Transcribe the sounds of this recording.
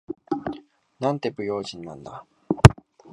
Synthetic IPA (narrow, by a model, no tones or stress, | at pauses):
nãnt̪e̞bɯ̟jo̞ːʑĩnːã̰nd̪a̰